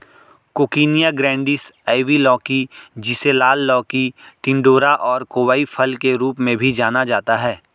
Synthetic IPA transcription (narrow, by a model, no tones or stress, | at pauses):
koːkiːnijaɡɾɛ̃ːɳɖɪsaːɪʋilɔːkid͡ʒɪselaːlːɔːkiʈɪ̃ɳɖoːɾaʔɔːɾkoːʋaːifʰɐlkeɾuːpmẽbʱid͡ʒaːnad͡ʒaːt̪aɦɛː